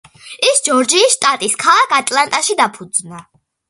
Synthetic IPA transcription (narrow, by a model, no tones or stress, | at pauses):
isd͡ʒɔɾd͡ʒiːsʃt̪ʼat̪ʼiskʰalˠakʰat̪ʼlˠant̪ʼaʃid̪apʰud̪zna